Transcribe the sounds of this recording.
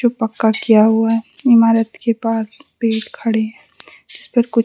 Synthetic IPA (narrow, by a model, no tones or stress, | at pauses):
opɐkːakijaɦʊaɦɛ | ɪmaːɾət̪kepaːspeːɾkʰɐɽeɦɛ̃ː | ɪspɐɾkʊt͡ʃ